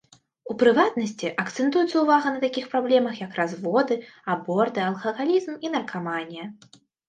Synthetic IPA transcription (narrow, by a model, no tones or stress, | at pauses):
upɾɨvat̪̚nɐsʲt͡sʲiʔɐkt̪sɛnt̪ujut̪sɐuvaɣɐnɐt̪akʲixpɾablʲɛmɐxjɐkrazvɔd̪ɨabɔrt̪ɨɐlˠxɐɣalʲizminɐrkʰavanʲjɛ